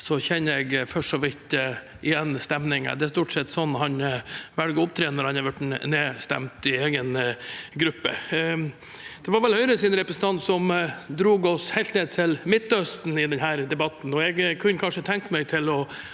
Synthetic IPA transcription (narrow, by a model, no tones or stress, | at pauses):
sɔçɛnːəɛɡfœʂɔʋɪt̪ | ʔɪjɛnːst̪ɛmnɪŋə̰d̪ɛæʂt̪uːʈsɛt̪ːsɔnːhɑnʋælɡəɔp̚t̪ʰɾeːnəɾhɑnɑʋæʈneːst̪ɛ̰mt̪ɪeːɡənɡɾʉpːə̰ | d̪̥ɛʋɑɾʋɛlhœʏɾəsɪnɾɛpɾəsən̩t̪ɑnt̪sɔmd̪ɾuːɡɔshɛɪlt̪neːd̪̚t̪ʰɪlmɪt̪ːœst̪n̩ɪd̪ɛnɦæːɾd̪ɛbɑt̪ːn̩ɔɛɡkʰʉnːəkʰɑnʂət̪ʰɛŋkmɛɪt̪ʰɪlɔ